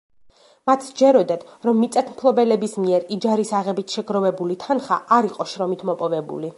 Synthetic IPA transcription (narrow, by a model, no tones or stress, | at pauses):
mat̪ʰd͡ʒɛɾɔd̪ad̪̥ɾɔmːit̪sʼɛt̪ʰmpʰlˠɔbɛlɛbismiɛɾid͡ʒaɾisaʁɛbit̪ʰʃɛɡɾɔvɛbulit̪ʰanχa̰aɾiqʼɔʃɾɔmit̪ʰmɔpʼɔvɛbṵli